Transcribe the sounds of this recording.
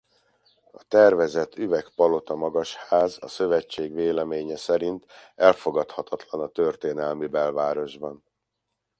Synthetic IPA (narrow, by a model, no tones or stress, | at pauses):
ɒt̪ɛrvɛzɛt̪ʰːyvɛkpɒlo̞t̪ɒmɒɡɒʃhaːzɒ̰sø̞vɛt͡ʃːeːɡveːlɛmeːɲɛsɛɾint̪ɛlfo̞ɡɒt̪hɒt̪ʰɒt̪lɒnɒt̪ørt̪eːnɛlmibɛlvaːɾo̞ʒbɒn